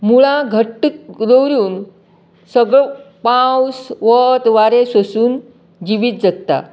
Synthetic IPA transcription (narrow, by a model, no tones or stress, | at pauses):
muɭaɡʱəʈɾəwɾjuːn | səɡɭo | pawsʋət̪ʋaɾesəsuːn | d͡ʑiʋiːt̪̚d͡zək̚t̪a̰